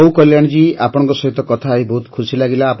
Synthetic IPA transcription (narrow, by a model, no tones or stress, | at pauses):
wkɔljaɽ̃d͡ʒiapɔɽɔ̃ŋkɔsɔɦit̪ɔkɔt̪ʰaːjbɔɦut̪kʰusilaɡilaːp